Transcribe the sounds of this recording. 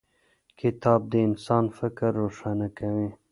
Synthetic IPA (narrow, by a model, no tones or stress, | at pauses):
kʰɪt̪ɑːb̚d̪əɪnsɑːnfɪkɾːoʂɑːnakawi